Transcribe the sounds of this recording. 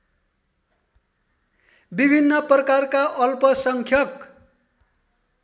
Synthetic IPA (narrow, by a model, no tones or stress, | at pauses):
bibʱinːʌprʌkarkaʔʌlpʌsʌŋkʰjʌk